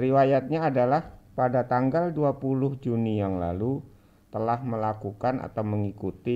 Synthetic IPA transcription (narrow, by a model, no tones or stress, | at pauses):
riwajat̪̚ɲaːdalahpadat̪aŋɡalduapulʊhd͡ʒunijaŋla̰lu | t̪əlahməlakukanʔa̰t̪awməŋikut̪i